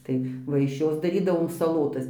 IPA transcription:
ˈtɐɪ ˈʋɐ ɪʃ ˈjoːs dɐˈrʲiːdɐʋoːm sɐˈlˠoːtɐs

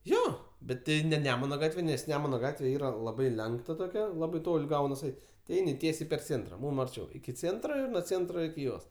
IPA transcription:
ˈjoː bʲɛt ˈtʲɪ nʲɛ ˈnʲæːmʊnɐ ˈɡɑːtʲʋʲɛ nʲɛs ˈnʲæːmʊnɐ ˈɡɑːtʲʋʲɛ ˈiːrɐ lˠɐˈbɐɪ ˈlʲɛŋktɐ toːˈkʲɛ ˈlˠɑːbɐɪ ˈtoːlʲ ˈɡɐʊnɐs ˈɛɪtʲ tʲɪ ˈɛɪnʲɪ ˈtʲiɛsʲɛɪ pʲɛr ˈt͡sʲeːntrɐ ˈmuːm ɐrʲˈt͡ʃʲɛʊ ɪkʲɪ ˈt͡sʲeːntroː ɪr nuɔ ˈt͡sʲeːntroː ɪkʲɪ ˈjoːs

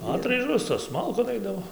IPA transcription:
ˈɑːtrɐɪʒoːs toːs ˈmɐlˠkoːn ˈɐɪdɐʋoː

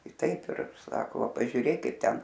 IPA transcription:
ɪ ˈtɐɪp ɪr ˈsɑːkoː ˈʋɐ pɐʒʲʊˈrʲeːk ˈkɐɪp ˈtʲɛn

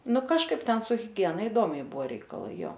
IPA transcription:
ˈnʊ kɐʃˈkɐɪp ˈtʲɛn sʊ ɣʲɪˈɡʲiɛnɐ ɪˈdoːmʲɛɪ ˈbʊʋoː rʲɛɪkɐˈlˠɐɪ ˈjoː

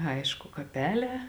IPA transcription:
ˈɐɪʃkʊ kɐˈpʲæːˌlʲɛː

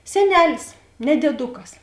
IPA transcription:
sʲɛˈnʲæːlʲɪs nʲɛ dʲeːˈdʊkɐs

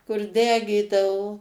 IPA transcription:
kʊr ˈdʲæːɡʲiːdɐʋoː

